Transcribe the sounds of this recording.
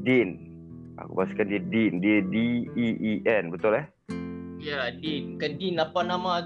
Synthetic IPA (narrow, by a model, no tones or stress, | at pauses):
din | a̰kṵpasu̥kandiədindiədiiiʔɛnbət̪ʊlɛh | jadinkandinapanamã